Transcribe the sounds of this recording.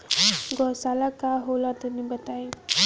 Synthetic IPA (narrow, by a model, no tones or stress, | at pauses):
ɡɔsalakaɦolãt̪enĩbət̪aːi